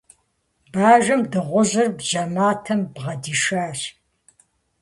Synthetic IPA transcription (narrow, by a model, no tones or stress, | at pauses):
baːʒɐmdɨʁʷʊʑɪrbʒɐmaːtʰɐmbʁɐdiːʃaːɕ